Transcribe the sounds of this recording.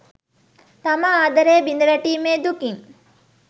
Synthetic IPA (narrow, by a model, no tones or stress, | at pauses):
t̪ɐmɐaːd̪ɐɾeːbinɐɾɐʈiːmeːd̪ukiŋ